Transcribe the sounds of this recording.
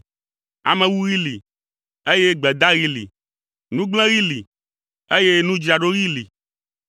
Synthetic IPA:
a̰˨mẽ˨wu˦ɣi˦li˨ | e˦je˦ɡ͡bɛ˨d̪a˦ɣi˦lḭ˨ | nũ˦ɡ͡blɛ̃˦ɣi˦li˨ | e˦je˦nũ˦d͡ʒɾa˨ɖo˦ɣi˦li˨

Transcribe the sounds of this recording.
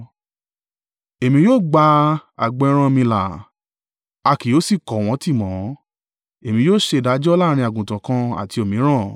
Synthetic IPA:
e˨mĩ˧˦joː˦˨ɡ͡ba˧a̰˨ɡ͡bɛ˧˦ɾ̃ã˧mĩ˧la̰˨ | a˧ki˨jo˨˦si˦˨kɔ˨w̃ɔ̃˨˦ti˦˨mɔ̃˨˦ | e˨mĩ˨˧joː˦˨ʃe˧˨da˨˦d͡ʒɔ˦laː˦˧ɾ̃ĩ˧a˨ɡũ˨tã˨kã˧a̰˨ti˧˦o˨mĩ˨˦ɾ̃ã˦˨

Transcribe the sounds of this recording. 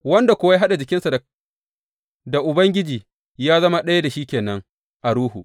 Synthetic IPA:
wɐ˦nda˨kʷʊ˦wa˦a˦ɦa˦ɗa˨d͡ʒɪ˨kʲɪ˦nsa˨ | da˨ʔʊ˨bɐ˦ŋɡʲɪ˦d͡ʒiː˨ | jaː˦zɐ˦ma˦ɗɐ˦ja˦da˨ʃiː˦kʲeː˨nɐ˦ŋ | ʔa˨ɽuː˦ɦu˨ʔ

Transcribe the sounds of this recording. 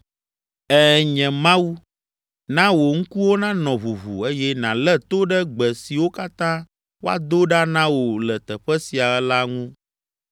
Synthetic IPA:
ɛ˦ɲɛ̃˨mã˦wu˦ | nã˦wo˨ŋ̩˦ku˦wo˦nã˦nɔ̃˨βu˨vṵ˨e˦jɛ˦nã˨lɛ˦t̪o˦ɖɛ˦ɡ͡bɛ˨si˨wo˦ka˦t̪ã˦ | wo˦a̰˦d̪o˦ɖa˦nã˦wo˨lɛ˨t̪ɛ˨ɸɛ˦si˨a˨ɛ˦la˦ŋũ˦

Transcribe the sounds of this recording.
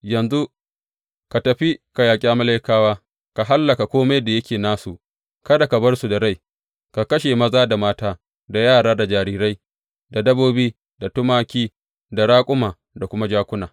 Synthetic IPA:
jɐ˨nzu˦ | ka˨tɐ˨ɸi˦ka˨jaː˨kʲʼaː˦mɐ˦la˦jkaː˦waː˦ | ka˨ɦa˦lːɐ˨ka˨kʷoː˦ma˦jda˨jɐ˦kʲeː˨naː˦su˨ʔ | kɐ˦da˨ka˨bɐ˦rsu˨da˨ɽa˦j | ka˨kɐ˦ʃe˨mɐ˦zaː˦da˨maː˦taː˦ | da˨jaː˦˨ɽaː˦da˨d͡ʒaː˨ɾiː˦ɾa˦j | da˨dɐ˦boː˦biː˦ | da˨tʊ˦maː˦kʲiː˦ | da˨ɽaː˦kʷʼʊ˦maː˨ | da˨kʷʊ˦ma˦d͡ʒaː˦kʷʊ˦naː˨

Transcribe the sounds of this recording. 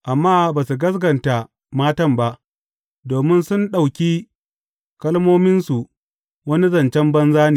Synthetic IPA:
ʔa˨mːaː˦baː˨su˨ɡɐ˦s̬ɡɐ˨nta˨ | maː˦tɐ˦mba˦ʔ | doː˨mɪ˦nsʊ˦nɗa˨wkʲi˦ | kɐ˦lmoː˦mɪ˦nsu˨ | wɐ˦ni˦zɐ˨nt͡ʃɛ˦mbɐ˦nzaː˦niː˨

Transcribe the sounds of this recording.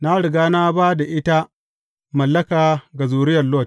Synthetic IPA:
na˦ɽɪ˨ɡaː˦na˦baː˦da˨ʔɪ˦ta˦ | mɐ˨lːɐ˦kaː˨ɡa˨zuː˨ɾɪ˦jɐ˨lo˦˨t

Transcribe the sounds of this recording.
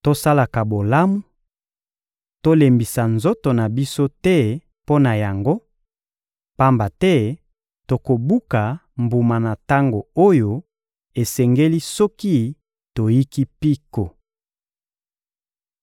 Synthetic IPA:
to˦sa˦la˨ka˨bo˨la˦mu˦ | to˦le˨mbi˨sa˨nzo˦to˨na˨bi˦so˦tɛ˦ | po˦na˨ja˨ŋɡo˦ | pa˦mba˨tɛ˦ | to˨ko˨bu˦ka˨mbu˨ma˨na˨ta˦ŋɡo˨o˦jo˨ | e˨sɛ˨ŋɡe˦li˦sɔ˦ki˦ | to˨ji˦ki˦pi˦ko˨

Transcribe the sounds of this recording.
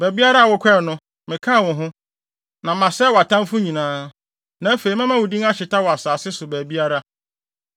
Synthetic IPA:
bæ˨bi˦a˦ɾa˦a˨wʊ˦kʰɛ˦˨nʊ̃˦ | mɪ̃˨kʰã˦˨wʊ̃˨ɦʊ̃˦ | nã˨mã˨sɛ˦˨wɔ˨a˨tʰã˦mfʊ˦ɲĩ˨nãː˦ | nã˨˦fe˨i˨mã˦mã˦wʊ˨dĩ˦ŋa˦ɕɪ˨ta˦wɔ˨a˨saː˨sɪ˦sʊ˨bæ˨bi˦a˦ɾa˦

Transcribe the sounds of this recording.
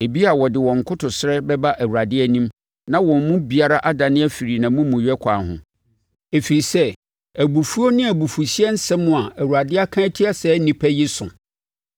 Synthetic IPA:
e˨bi˦a˨wɔ˨dɪ˨wɔ̃˨ŋ˨kʰʊ˦tʰʊ˨sɪ˦ɾɛ˦bɛ˦ba˦ʔæ˨wu˨ɾa˨dɪ˦ɛ˦nĩ˦m | nã˦wɔ̃˨m˦mʊ̃˦bi˨a˦ɾa˦ʔa˦da˨nɪ̃˦æ˦fi˨ɾi˨nã˨mũ˦mʊ̃˨ɥᶣɛ˦kʰaː˨nhʊ̰̃˨ | e˨fi˨i˨sɛ˦ | æ˨bu˨fu˦o˦nɪ̃˦æ˨bu˨fu˨ɕi˦ɛ˦n̩˦sɛ̃˦mʊ̃˦˨a˨ʔæ˨wu˨ɾa˨dɪ˦a˦kʰã˦tʰi˦a˦sɛ˨˦nĩ˨pʰæ˦ji˦sʊ̰̃˨

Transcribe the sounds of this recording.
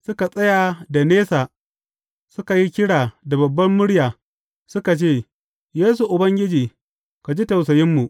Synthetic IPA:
sʊ˦ka˨sʼɐ˦ja˨da˨neː˦saː˨ | sʊ˦ka˨ji˦kʲɪ˦ɽaː˨da˨bɐ˨bːɐ˦mːʊ˦ɽjaː˨ | sʊ˦ka˨t͡ʃeː˦˨ | jeː˦s̬u˨ʔʊ˨bɐ˦ŋɡʲɪ˦d͡ʒiː˨ | ka˨d͡ʒi˦tɐ˨wsɐ˨jɪ˦mːu˨ʔ

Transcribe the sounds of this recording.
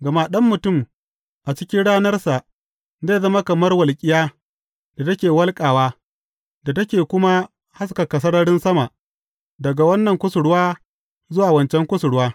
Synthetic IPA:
ɡɐ˨ma˦ɗɐ˦mːʊ˨tʊ˦˨m | ʔa˨t͡ʃɪ˦kʲɪ˦nɽaː˦nɐ˦rsa˨ʔ | zeː˦˨zɐ˦ma˦kɐ˨mɐ˦rwɐ˨lkʲʼɪ˦jaː˦ | d̥a˨tɐ˦kʲeː˨wɐ˦lkʼaː˨waː˦ | da˨tɐ˦kʲeː˨kʷʊ˦ma˦ | ha˦s̬kɐ˨kɐ˨s̬ɐ˦ɽɐ˦ɽɪ˦nsɐ˦ma˨ʔ | dɐ˨ɡa˨wɐ˦nːɐ˨ŋkʷʊ˦sʊ˨ɽʊ˦waː˦ | zʊ˦waː˨wɐ˨nt͡ʃɛ˦ŋkʷʊ˦sʊ˨ɽʊ˦waː˦

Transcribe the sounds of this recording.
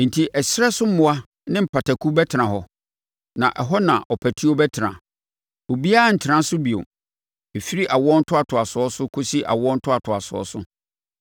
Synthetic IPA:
n̩˨tʰi˦ʔɛ˨sɾɛ˦sʊ˦m̩˦mʊ̃˦a˦ | nɪ̃˦m̩˨pʰa˨tʰa˨kʰu˦bɛ˦tʰɪ˨ã˨ɦɔ˨ | nã̰˨ʔɛ˨ɦɔ˦nã̰˨ʔɔ˨pʰæ˨tʰi˦ɔ˦bɛ˦tʰɪ˨nã̰˨ | o˨bi˦a˦n̩˨tʰɪ˨ɾã˦sʊ˦bi˨o̰˨ | e˨fi˦ɾi˦ʔa˨wɔ˦n̩˦tʰʊ˦a˨tʰʊ˨a˨sʊ˨ɔ˦sʊ˦kʰo˦si˦ʔa̰˨wɔ˦n̩˦tʰʊ˦a˨tʰʊ˨a˨sʊ˨ɔ̰˦sʊ̰˦

